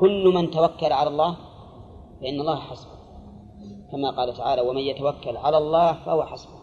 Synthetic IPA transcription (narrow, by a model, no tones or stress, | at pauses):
kʊlːmant̪awakːalʕalalˤːɑːh | faʔɪnːɑlˤːɑːhħasbʊ | kamaqɑːlat̪aʕaːlawamanjat̪awakːalʕalalˤːɑːhfahʊwaħasbʊ